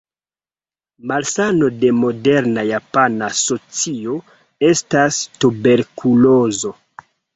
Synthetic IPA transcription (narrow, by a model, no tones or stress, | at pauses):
malsano̞de̞mo̞de̞ɾnajapanaso̞t͡sio̞ | e̞stastube̞ɾkulozo̞